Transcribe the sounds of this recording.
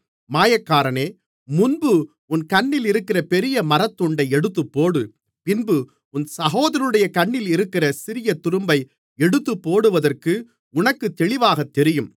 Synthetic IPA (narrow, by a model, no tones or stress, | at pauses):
maːjɐkːaːɾɐneː | mʊnbɯ | ʊnkɐɳːɪlɪɾɯkːɪrɐpɛɾɪjɐmɐɾɐt̪ːɔɳɖɐɪɛɽɯt̪ːɯpːoːɽɯ | pɪnbɯ | ʊnsɐɣoːðɐɾɯɽɐjɐkɐɳːɪlɪɾɯkːɪrɐsɪɾɪjɐt̪ʊɾɯmbɐɪ | ɛɽɯt̪ːɯpːoːɽɯʋɐðɐrkɯ | ʊnɐkːɯt̪ːɛɭɪʋaːɣɐt̪ːɛɾɪjɯm